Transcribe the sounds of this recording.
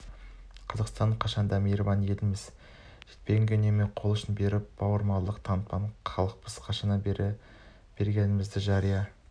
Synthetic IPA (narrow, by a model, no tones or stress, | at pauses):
qʰɑzɑqst̪ɑɴqʰɑʃɑnd̪ɑmejɾvɑnje̞lɪmɪz | ʒ̥e̞t̪peɡʲɪŋɡʲenemeqʰo̞lˠʏʃɪnbe̞ɾɪp̚b̥ɑwəɾmɑllˠəqt̪ʰɑnt̪̚pɑɴχʰɑlˠəq̚pəzqʰɑʃɑnɑ | b̥e̞ɾɡʲe̞nɪmɪzd̪ɪʒɑɾijɑ